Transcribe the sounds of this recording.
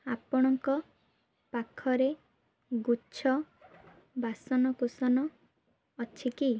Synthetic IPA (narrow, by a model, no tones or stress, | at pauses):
apɔɽ̃ɔŋkɔ | pakʰɔɾe | ɡut͡ʃʰɔ | basɔnɔkusɔnɔː | t͡ʃʰiki